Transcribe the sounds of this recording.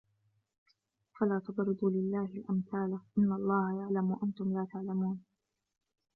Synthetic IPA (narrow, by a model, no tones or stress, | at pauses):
falaːt̪ʊbɾɨd̪ˤuːlɪlːaːhɪlʔamθaːlaʔɪnːalˤːɑːhajaʕlamwaʔant̪ʊmlaːt̪aʕlamuːn